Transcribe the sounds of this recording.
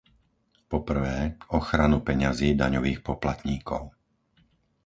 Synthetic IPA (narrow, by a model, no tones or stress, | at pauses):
pɔpr̩ʋɛːɔxɾanupɛɲaziːd̪aɲɔʋiːxpɔplat̪ɲiːkɔʊ